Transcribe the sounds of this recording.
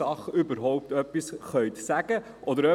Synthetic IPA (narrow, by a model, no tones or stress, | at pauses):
ɑχʏbəɾɦɔʊp̚t̪œpːisχœʏt̪sæɡ̥ə | ʔɔd̪əɾœ